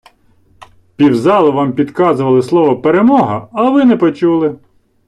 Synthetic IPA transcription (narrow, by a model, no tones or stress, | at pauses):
pʲiwzɑlˠɪʋɑmpʲid̪kɑzʊʋɐlˠɪslˠɔʋɔpeɾemɔɦɐɐʋɪnɛpɔt͡ʃulˠɪ